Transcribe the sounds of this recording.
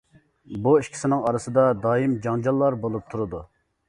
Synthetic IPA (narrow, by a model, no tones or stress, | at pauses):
buiʃkʲʰi̥sɪnɪŋɑɾɨsɨd̪ɑd̪ɑːjimd͡ʒɑŋd͡ʒɑlˠːɑɾbolˠup̚t̪ʰuɾɨd̪u